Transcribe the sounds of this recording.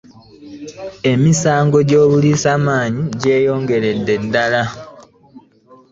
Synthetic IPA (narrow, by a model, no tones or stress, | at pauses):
e̞misaːŋɡo̞ɟo̞ːβuliːsaːmaːɲiɟe̞ːjo̞ːŋɡe̞ɾe̞dːe̞dːala